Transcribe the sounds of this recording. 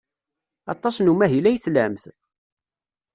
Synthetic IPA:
ɑ̰t̪ˤːɑsnumæɦilæjθlæmθ

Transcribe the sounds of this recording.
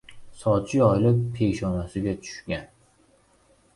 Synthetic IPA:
sɒt͡ʃʰɪɒjlɪppʰe̞ʃɒnasɪɡʲat͡ʃʰʊ̥ʃkʲan

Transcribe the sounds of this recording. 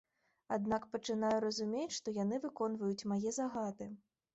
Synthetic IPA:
ad̪̚nakpɐt͡ʂɨn̪ajuɾɐzumʲet͡sʲʂt̪ɔjanɨvɨkɔnvɐjut͡sʲmajɛzaɣat̪ɨ

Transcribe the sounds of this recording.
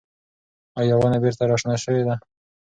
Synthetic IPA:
awjawanabeɾt̪aɾɑʂnaʃəwed̪a

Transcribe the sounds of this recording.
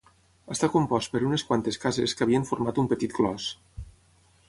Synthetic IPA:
əst̪akompɔst̪̚pəɾuneskwant̪eskazeskəaβiəɱfoɾmat̪umpət̪it̪̚ɡlɔs

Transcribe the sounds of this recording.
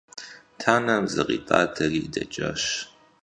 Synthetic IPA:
tʰaːnɐmzɨqʼiːpʼaːtʰɐriːdɐt͡ʃʼɐɕ

